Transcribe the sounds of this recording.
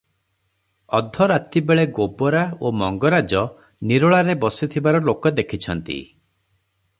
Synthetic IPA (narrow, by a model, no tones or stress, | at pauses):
ɔd̪ʱɔɾat̪ibeɭeɡobɔɾaomɔŋɡɔɾad͡ʒɔ | niɾɔɭaɾebɔsit̪ʰibaɾɔlokɔd̪ekʰit͡ʃʰɔnt̪ḭ